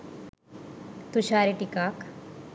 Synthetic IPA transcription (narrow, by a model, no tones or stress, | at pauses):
t̪uɕaɾeʈikaːk